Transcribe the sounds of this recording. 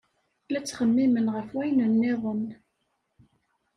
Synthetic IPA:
læt͡sːχəmːimənʁəfwæjnənːɪðˤən

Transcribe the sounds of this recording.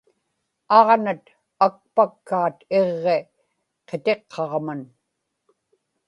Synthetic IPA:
ɑʁnat̪ | ak̚pakːaːt̪eʁːe̞ | qet̪e̞qʰːɑʁman

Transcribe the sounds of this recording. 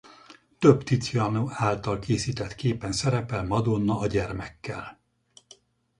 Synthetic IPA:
t̪øbt̪it̪jɒnoaːlt̪ɒlkeːsiːt̪ɛt̪keːpɛnsɛɾɛpɛlmɒd̪onːɒːɟɛrmɛkːɛ̰l

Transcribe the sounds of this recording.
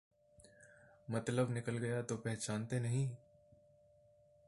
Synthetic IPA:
mɐt̪ləbnɪkəlɡɐjat̪opɛɦt͡ʃaːnt̪enɐɦĩ

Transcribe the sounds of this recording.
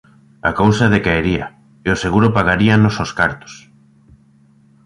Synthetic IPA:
a̰kowsaðekaeɾia | eoseɣuɾʊpaɣaɾianososkaɾt̪o̥s

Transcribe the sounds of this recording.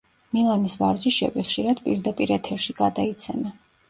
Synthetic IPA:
milˠanisvaɾd͡ʒiʃɛ̰viχʃiɾad̪pʼḭɾd̪apʼiɾɛt̪ʰɛɾʃiɡad̪ait̪sʰɛna

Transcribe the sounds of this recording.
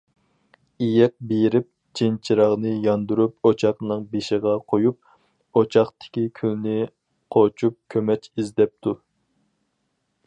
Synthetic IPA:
ijɛk̚bejɾɪp̚ | t͡ʃʰent͡ʃʰiɾɑʁnɨjɑnd̪uɾup̚ot͡ʃʰɑχnɨŋbeʃɪʁɑqʰojup̚ | ot͡ʃʰɑχt̪ʰɪ̥kʲikʲʰylnɪ | qʰot͡ʃʰup̚kʲʰømɛt͡ʃizd̪ɛp̚t̪ʰu

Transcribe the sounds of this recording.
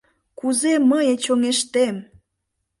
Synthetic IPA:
kuzeməjet͡ɕoŋeʃt̪em

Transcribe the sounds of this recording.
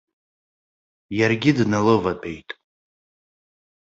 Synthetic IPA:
jarɡʲɪdnalɨvapʼe̞jtʼ

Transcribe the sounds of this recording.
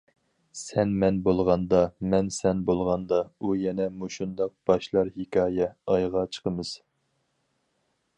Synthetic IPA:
sɛnmɛnbolˠʁɑnd̪ɑmɛnsɛnbolˠʁɑnd̪ɑujɛnɛmuʃund̪ɑq̚b̥ɑʃlˠɑɾhekʰʲɑːjɛɑjʁɑt͡ʃʰə̥qʰəmɨz̥

